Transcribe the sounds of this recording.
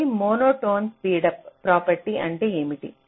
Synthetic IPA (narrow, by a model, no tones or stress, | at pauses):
imoːnoːʈoːnspiːɖɐp̚ːɾaːpɐɾʈiʔɐɳʈe̞ːeːmiʈḭ